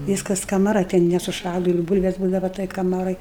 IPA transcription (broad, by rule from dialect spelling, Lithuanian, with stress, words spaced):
ˈʋʲiːskɐs kɐmɐˈrɐ ˈtʲɛn nʲɛsʊˈʃɑːlˠʊ ɪr ˈbuːlʲʋʲɛs ˈbuːdɐʋɐ toːj kɐˈmɑːroːj